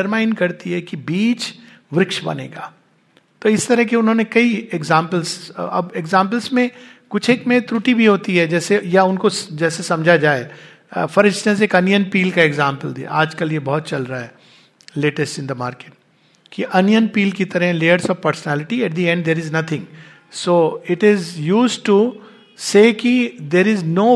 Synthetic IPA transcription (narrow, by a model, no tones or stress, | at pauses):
ɐɾmãːɪ̃ɳɖkɐɾt̪iɦɛkibiːt͡ʃ | ʋɾɪkʃbɐ̰nḛːɡa̰ː | t̪oːɪst̪ɐɾəɦkeʊnɦõːnekɐieɡzãːmpəlzɐ̰beɡzãːmp̬əlzmẽkʊt͡ʃʰeːkmẽt̪ɾuʈibʱiɦoːt̪iɦɛd͡ʒɛːsejaʊnkod͡ʒɛːsesɐ̃md͡ʒʱad͡ʒaːe | fɐɾɪd͡ʒsnẽseːkɐnjənpiːlkaeɡzãːmpəld̪ḭa̰aːd͡ʒkɐljebɔɦʊt̪̚t͡ʃɐlɾaɦɛ | leːʈəsʈɪ̃nd̪əmaːɾkeːʈ̚ | kiʔɐnjənpiːlkit̪ɐɾɦɛ̃leːəɾsɔʋpəɾsənæːlɪʈiɛʈ̚d̪iɛ̃ɳɖd̪eːɾɪznɐt̪ʰɪ̃ŋ | soːɪʈɪzjuːsʈu | seːkid̪eːɾɪznoː